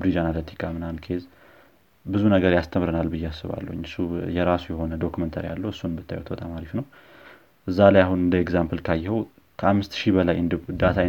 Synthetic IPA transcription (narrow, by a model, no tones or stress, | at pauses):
bɾid͡ʒanalət̪ʰi̥kʰʼamɨnankʰez | bɨzunəɡəɾjast̪ʰəmɾɨnalbɨjːɛasːɨβa̰lːə̰ɲːɨsːujɛɾasujɛho̞nəd̪o̞kumənt̪ʰaɾija̰lːəwɨsːunbɨt̪ʰːajwt̪bət̪ʼamaɾifnəw | ʔɨzːalajaɦunɨnd̪əɛɡzampɨlkʰajːhəw | kʰəamːɨst̪ʃibəlajɨnd̪d̪at̪ʰa